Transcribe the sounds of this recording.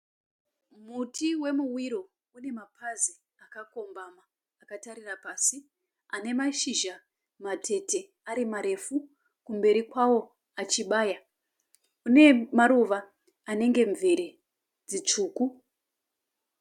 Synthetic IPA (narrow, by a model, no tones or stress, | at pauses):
mutiwe̞muwiɾo̞ | une̞mapʰazi | akako̞mbamaː | kataɾirapaːsi | ane̞maʃiʒa | matʰe̞te̞ | aɾimaɾe̞fu | kumbe̞ɾikwawo̞ | at͡ʃiɓaːja | une̞maɾuʋaː | ne̞ŋɡe̞ɱveɾe | d͡zit͡ʂuːku